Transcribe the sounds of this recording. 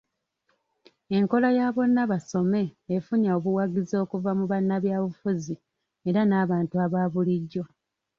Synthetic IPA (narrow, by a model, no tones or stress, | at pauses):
e̞ŋko̞lajaːβo̞nːaβaso̞me̞ːfuɲaoβuwaɡizo̞ːkuvamuβanːaβjaːβufuzi | e̞ɾanaːβaːntuaβaːβuliɟːo̞